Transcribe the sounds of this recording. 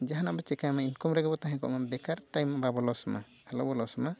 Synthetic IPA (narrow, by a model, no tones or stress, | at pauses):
d͡ʒaɦanabɔt͡ʃɛkajmainkɔmɾɛɡɛbɔt̪aɦɛ̃kɔ̰ʔmanbɛkaɾʈajmːababɔlɔwsɔma̰ | halɔbɔlɔwsɔma